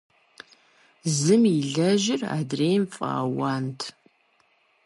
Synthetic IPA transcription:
zɨmiɮɐʒɪra̰ːdreːjmfʼa̰ːwaːntʰ

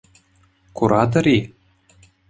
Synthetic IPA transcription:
kuɾɑd̪ɤ̆ɾʲi

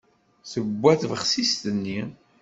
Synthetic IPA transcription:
θəbʷːæθvəχsist̪ənːi

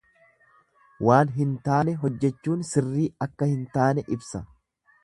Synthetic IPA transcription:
waːnɦɪnt̪aːnɛɦɔd͡ʒːɛt͡ʃːuːnsɪrːiːɐkːɐhɪnt̪aːnɛʔɪbsɐ

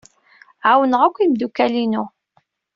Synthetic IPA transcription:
ʕawənəʁækʷːimd̪ukːælinʊ

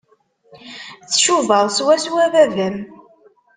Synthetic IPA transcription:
t͡sːʃuvəðˤswæswævæðəm

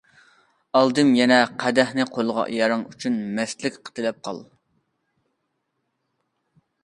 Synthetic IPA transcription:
ɑlˠd̪ɨmjɛnɛqʰæd̪ɛhnɨqʰolˠʁɑ̰ʔjɑɾɨŋyt͡ʃʰynmɛslɪkʲqʰə̥t̪ʰɨlɛp̚qʰɑ̰lˠ

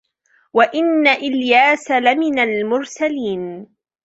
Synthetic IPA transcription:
waʔɪnːaʔɪljaːsalamɪnalmʊɾsaliːn

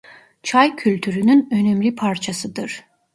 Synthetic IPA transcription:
t͡ʃʰajcʰylʲt̪ʰyɾynynø̞nɛmlʲipʰaɾt͡ʃʰasɯd̪ɯɾ̥

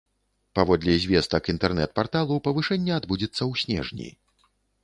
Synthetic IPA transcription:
pavɔd̪lʲizʲvʲɛst̪ɐkint̪ɛrnɛ̰t̪̚part̪alˠupɐvɨʂɛnʲːɐad̪bud͡zʲɛt̪sːɐwsʲnʲɛ̰ʐnʲḭ

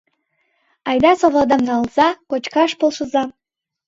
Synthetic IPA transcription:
ɑjd̪ɑsoβlod̪əmzɑlˠz̥ɑkot͡ɕkɑʃpolˠʃɤ̆zɑ

